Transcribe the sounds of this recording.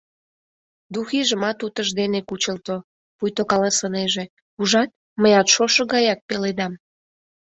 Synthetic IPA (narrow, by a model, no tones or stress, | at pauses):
d̪uxiʒəmɑt̪ut̪əʒd̪enekut͡ɕəlt̪o | pujt̪okɑlɑsəneʒe | uʒɑt̪̚ | məjɑt̪ʃoʃə̆ɣɑjɑk̚peled̪ɑm